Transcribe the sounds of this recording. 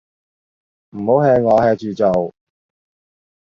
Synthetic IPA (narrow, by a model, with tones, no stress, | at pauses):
m̩˨˩ho˨˥wɦɛː˧ŋɔː˨˧hɛː˧t͡ʃyː˨t͡so˨w